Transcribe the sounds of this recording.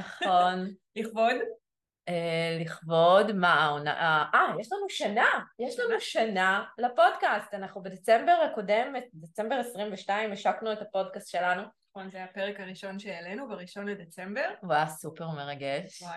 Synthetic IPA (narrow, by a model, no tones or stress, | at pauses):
naχo̞nliχvod | eliχvo̞dmaona̰ʔaʔajeʃlanuʃanajeʃlanuʃanalapo̞dkastanaχnubedet͡sembe̞ʁako̞de̞met̚det͡se̞mbeʁesʁimveʃtaimeʃaknuetapo̞dkastʃe̞lanunχonzeapeʁekaʁiʃo̞nʃeelenubaʁiʃo̞nledet͡sembeʁoasupe̞ʁmeʁaɡeʃ